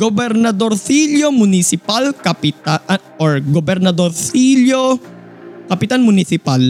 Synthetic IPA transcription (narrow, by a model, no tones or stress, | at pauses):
ɡ̥obɛɾnɐd̪oɾsiljomʊnɪsɪpalkɐpɪt̪a | oɹɡobɛɾnɐd̪oɾsilo | kɐpɪt̪anmʊnɪsɪpal